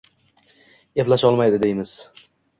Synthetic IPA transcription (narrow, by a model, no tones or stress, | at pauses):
eplaʃɒlˠmajd̪ɪd̪ejmɪz̥